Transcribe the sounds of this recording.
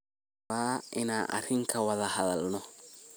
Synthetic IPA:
aɪnaʔa̰ɾiŋkawaðahaðalnɔ

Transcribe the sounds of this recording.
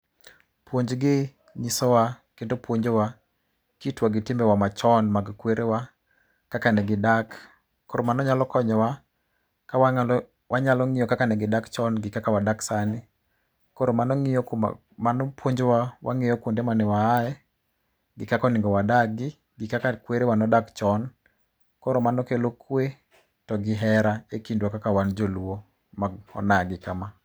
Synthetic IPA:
pwoɲd͡ʒɡɪ | ɲisɔwakendopwoɲd͡ʒowa | kitwaɡɪtɪmbɛwamat͡ʃɔnmaɡkweɾʔewa | kakanɛɡɪdakː | oɾomanɔɲalɔkɔɲɔwa | kawa | wʔaɲalɔŋɪjɔkakanɛɡɪdakt͡ʃɔnɡɪkakawadaksanɪ | koɾomanɔŋɪɔk | manɔpoɲd͡ʒwawʔa̰ŋɪjɔkwondemanɛwaːɛ | ɡɪkakɔnɪŋɡɔwadaɡɪ | ɡɪkakakweɾewanɔdakt͡ʃɔn | koɾomanɔkelokwe | tɔɡɪɦɛɾaekindwakakawand͡ʒoluwo | maɡɔ̰naɡɪkama

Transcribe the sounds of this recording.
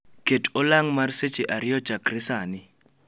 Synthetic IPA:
ketʼɔlaŋmarset͡ʃʼeʔaɾɪɔ̥t͡ʃakrɪsaːnɪ

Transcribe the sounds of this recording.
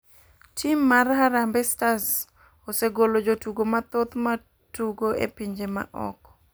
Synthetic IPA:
tʰimːarɦaɾambɛstas | oseɡolod͡ʒotuɡomat̪ot̪ma | tuɡoḛpiɲd͡ʒema̰ʔɔ̰k

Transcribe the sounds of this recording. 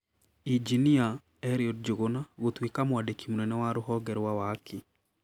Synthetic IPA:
id͡ʒinia | ɛɾiɔd̚d͡ʒoɣonaɣotwekamoadekʰimunɛnɛwaɾʊɦɔɡɛɾwawaːkʰe

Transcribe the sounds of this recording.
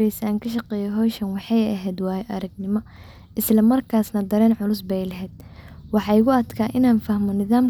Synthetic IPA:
ɾɛjsaːŋkʰɐʃ̬ɐqɛːjɛɦɔːʃɐnwɑħɑjɐɦɛːd̪wɑːjɛʔɐɾɐɡ̚nɪmɔ | ʔɪslɐmɐrkʰaːsnɐd̪ɐɾɛːnʕʊlʊsbɛjlɐɦɛːd̪̚wɑħɑːɪɣʊɐd̪kʰaːʔɪnaːnfɐhmɔnɪðaːm

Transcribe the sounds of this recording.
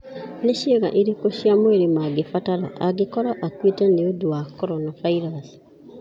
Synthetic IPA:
neʃeɣa̰ʔiɾikoʃiamoeɾemaɡefataɾa̰ʔaɡekɔɾaʔakwetɛneoduwakɔɾɔnavaiɾasi̥

